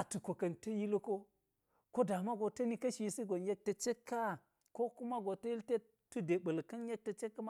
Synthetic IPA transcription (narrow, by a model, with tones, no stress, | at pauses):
a˨tu˨ko˨kɐ˨ntɐ˦ji˦lo˦ko˦ | ko˦da˨ma˦ɡo˨tɐ˦ni˦kɐ˦ʃi˨˦si˦ɡo˨nje˦k̚tɐ˨t͡ʃe˦kʰːa˦ | ko˦ku˦ma˦ɡo˨tɐ˦ji˦lte˦ | tu˦de˨ɓɐ˨lkɐ˦nje˦k̚tɐ˨t͡ʃe˦kːɐ˦ma˦